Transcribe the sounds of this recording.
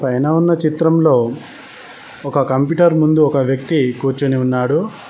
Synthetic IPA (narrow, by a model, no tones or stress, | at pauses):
pɐjnɐːunːɐt͡ʃit̪ɾɐmlo̞ː | ɔkɐkɐmpjuːʈɐɾmund̪uɔkɐʋjɐk̚t̪ikuːɾt͡ʃuniunːaːɽu